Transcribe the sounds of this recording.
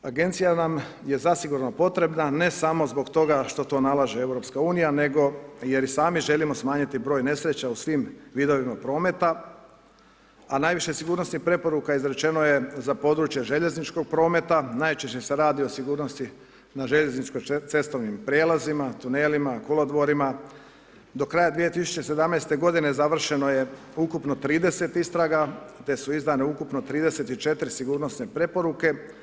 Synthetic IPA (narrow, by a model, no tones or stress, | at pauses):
aɡe̞nt̪sijanamje̞zasiɡuɾno̞po̞t̪ɾe̞bnane̞samo̞zbo̞ɡt̪o̞ɡaʃt̪o̞t̪o̞ːnalaʒee̞wɾo̞pskauːnijane̞ɡo̞je̞ɾisaːmiʒe̞limo̞smaːɲit̪ibɾo̞ːjne̞sɾe̞t͡ɕausʋimʋiːd̪o̞ʋimapɾo̞ːme̞t̪a | anajʋiʃesiɡuːɾnosnixpɾe̞po̞ɾukaizɾe̞t͡ʃe̞noje̞zapo̞d̪ɾuːt͡ʃje̞ʒe̞ʎe̞znit͡ʃko̞ɡ̚pɾo̞ːme̞t̪anajt͡ʃeʃt͡ɕe̞se̞ɾaːd̪io̞siɡuːɾno̞st̪i | naʒe̞ʎe̞znit͡ʃkojt̪se̞st̪o̞ʋnimpɾjeːlazimat̪uneːlimakolod̪ʋo̞ɾima | d̪o̞kɾajad̪ʋijet̪isu̥t͡ɕese̞d̪amnejst̪e̞ɡo̞d̪ine̞zaʋr̩ʃe̞no̞je̞ | ukupnot̪ɾiːd̪e̞se̞t̪ist̪ɾaɡat̪e̞suizd̪ane̞ukupno̞t̪ɾiːd̪ese̞t̪it͡ʃe̞t̪ɾisiɡuːɾnosnepɾe̞po̞ɾuke̞